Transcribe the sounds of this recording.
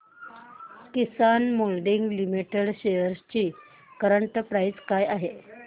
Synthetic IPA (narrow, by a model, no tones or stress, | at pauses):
kisanmolɖiŋɡlimiʈeɽɕejəɾst͡ɕiː | kəɾəɳʈəpɾajd͡zkajaɦe